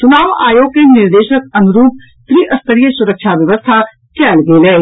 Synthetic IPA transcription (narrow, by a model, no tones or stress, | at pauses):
t͡ʃʊnaːʋa̰ːjoːɡenɪɾd̪eːʃək̚ɐnʊɾuːp̚ | t̪ɾiːʔɐst̪əɾijəsʊɾəkʃʰaʋjəʋəst̪ʰa | kɛːlɡeːleː